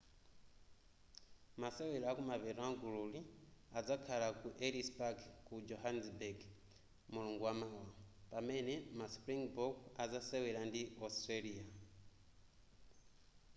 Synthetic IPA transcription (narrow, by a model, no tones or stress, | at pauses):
masewelakumaβeɾaŋɡululiad͡zakʰalakuʔelispaɡkud͡ʒoɦansbeɡ | muluŋɡuwamawapamenemaspɾiŋɡbokad͡zasewelandiostrelia